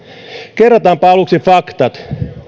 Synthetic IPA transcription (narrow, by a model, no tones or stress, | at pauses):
kerːɑt̪ɑːmpɑɑluksifɑkt̪ɑt̪